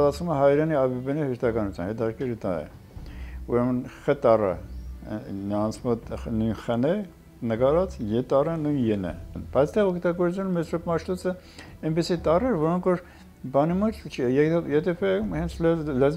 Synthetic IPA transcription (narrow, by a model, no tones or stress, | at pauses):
lɑt͡sʰvuməɦɑjɾɛniɑbɛbɛnihəɾt̪ʰɑkɑnut͡sʰjɑ̰nhɛt̪ɑɾkɛɾət̪ɑ̰jɛ̰ | uɾɛmənχət̪ɑrə̰ | nəɾɑnt͡sʰmɔt̪nujnχənɛ | nəɡɑɾɑt͡sjɛt̪ɑrənujnjɛnə̰nb̥ɑjt͡sʰt̪ɛʁɔkʰt̪ɑɡɔɾt͡sjunəmɛsɾɔkmɑʃt̪ut͡sə | ɛnpisit̪ɑrɛɾvɔɾɔŋkʰvɔɾ | bɑnimut̪t͡ʃʰjɛɛjɛt̪ʰɛpʰɛhɛnt͡sʰlɛlɛz